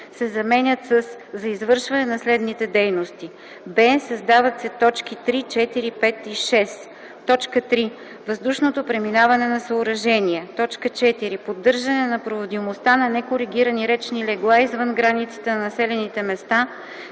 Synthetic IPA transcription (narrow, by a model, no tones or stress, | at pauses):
sɛzɐmɛnʲət̪səsːɐizvɤɾʃvɐnɛnɐslɛd̪nit̪ɛd̪ɛjnost̪i | bɛsɐzd̪avɐt̪sɛt̪ɔt͡ʃk̟it̪ɾit͡ʃɛt̪iɾipɛt̪iʃɛs | t̪ɔt͡ʃkət̪ɾi | vɐzd̪uʃnot̪opɾɛminavɐnɛnɐsɐʊɾɐʒɛniɛt̪ɔt͡ʃkət͡ʃɛt̪iɾipod̪ːɤɾʒɐnɛnɐpɾovod̪imost̪anɐnɛkoɾiɡ̟iɾəniɾɛt͡ʃnilɛɡlˠaizvɤnɡɾanit̪sə̥t̪ɛnɐnɐsɛlɛnit̪ɛmɛst̪a